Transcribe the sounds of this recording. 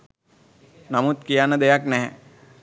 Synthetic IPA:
namut̪kijanːəd̪ejaknɛɦɛ̰

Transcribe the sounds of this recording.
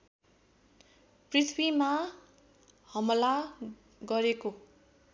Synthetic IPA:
prit̪ʰbima | hʌmʌla | ɡʌɾeko

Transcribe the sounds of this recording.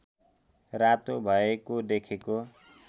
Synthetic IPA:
rat̪obʱʌekod̪ekʰeko

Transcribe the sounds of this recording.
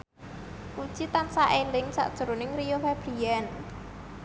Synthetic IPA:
ʔu̥t͡ʃit̪ansaʔelɪŋsa̰ʔd̥ʒ̥uɾonɪŋrijofɛb̥ɾijɛn

